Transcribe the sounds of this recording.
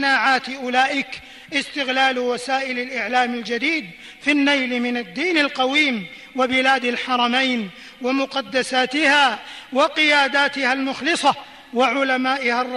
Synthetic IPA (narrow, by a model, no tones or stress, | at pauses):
naːʕaːt̪ɪʔʊlaːʔɪk | ʔɪst̪ɪɣlaːlwasaːʔɪlalʔɪʕlaːmald͡ʒad̪iːd̪ | finːajlmɪnad̪ːiːnalqɑwiːm | wabɪlaːd̪alħɑɾˤɑmajn | wamʊqɑd̪ːasaːt̪ɪhaːwɑqɪjaːd̪aːt̪ɪhalmʊxlɨsˤɑ | waʕʊlamaːʔɪharˤː